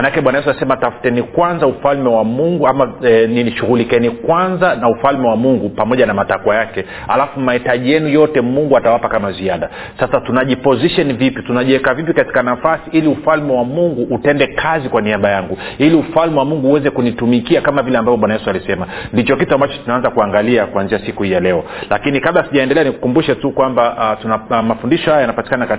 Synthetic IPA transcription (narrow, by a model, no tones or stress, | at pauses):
manakɛɓwanajɛs̬asɛmatafu̥tɛnikwanzaufalmɛwamuŋɡuamaniiʃuɣulikɛnikwanzanaufalmɛwamuŋɡupamɔʄanamatakwajakɛ | ha̰lafumaitaʄijɛnujɔtɛmuŋɡuatawapakamaziaɗa | sasatunaʄipɔziʃɔnivipitunaʄɛkavip̬ikati̥kanafasiʔiliufalmɛwamuŋɡuʔːtɛndɛkʰazikwaniaɓajaŋɡuiliufalmɛwamuŋɡuːwɛzɛkunitumikiakamavilɛambavɔɓwanajɛsualisɛmandit͡ʃɔkituambat͡ʃɔ̥tunaanzakuaŋɡaliakwanziasikuhijalɛɔla̰kinikaɓlasiʄaɛndɛlɛanikukumbuʃɛtukwambatunamafundiʃɔhajajanapati̥kanaka